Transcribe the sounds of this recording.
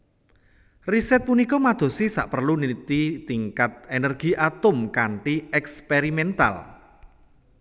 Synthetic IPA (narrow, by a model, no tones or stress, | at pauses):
risɛt̪̚punikɔmad̪̥o̤sisa̰ʔpərlunit̪it̪iŋkat̪̚enɛrɡ̥i̤ʔat̪ʊmkaɳʈiɛkspeɾimɛnt̪a̰l